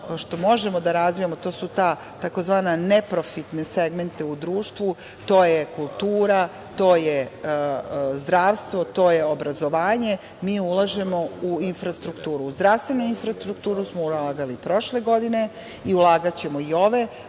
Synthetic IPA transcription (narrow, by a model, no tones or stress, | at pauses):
ʃt̪o̞mo̞ʒemod̪aɾazʋijamot̪o̞ːsut̪a | t̪ako̞zʋaːnanepɾo̞fit̪neseɡme̞nt̪eud̪ɾuːʃt̪ʋu | t̪o̞ːjekulˠt̪uːɾa | t̪o̞ːje | zd̪ɾaːʋst̪ʋo̞t̪o̞ːje̞o̞bɾazo̞ʋaːɲe̞ | miːulˠaʒe̞mo̞uinfɾast̪ɾukt̪uːɾuːzd̪ɾast̪ʋe̞nuinfɾast̪ɾukt̪uːɾusmoulaːɡalipɾo̞ʃle̞ɡo̞d̪ine̞ | iulˠaːɡat͡ɕe̞mo̞io̞ʋe̞